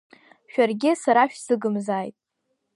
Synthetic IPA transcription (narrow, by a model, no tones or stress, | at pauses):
ʃᶣarɡʲɪsaɾaʃᶣsɨɡɨmzaːjtʼ